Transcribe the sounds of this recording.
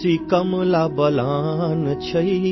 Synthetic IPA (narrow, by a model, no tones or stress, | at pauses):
ikɐmlabɐlaːnt͡ʃʰɐi